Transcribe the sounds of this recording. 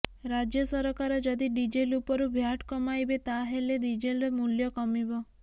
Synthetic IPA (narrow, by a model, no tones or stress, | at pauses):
ɾad͡ʒjɔsɔɾɔkaɾɔd͡ʒɔd̪iɖid͡ʒelupɔɾubʱjaʈkɔmajbet̪aɦeleɖid͡ʒelɾemuljɔkɔmibɔ